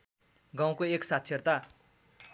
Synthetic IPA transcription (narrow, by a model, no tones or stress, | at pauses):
ɡãw̃koeksat̪̚sʰert̪a